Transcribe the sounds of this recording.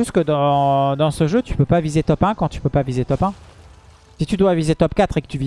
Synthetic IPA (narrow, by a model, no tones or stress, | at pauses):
yst̪kəd̪ɑ̃d̪ɑ̃səʒøt̪y̥pøpavizet̪ɔpɛ̃kɑ̃t̪y̥pøpavizet̪ɔpɛ̃ | sit̪yd̪wavizet̪ɔpkʲat̪χekə̥t̪yvi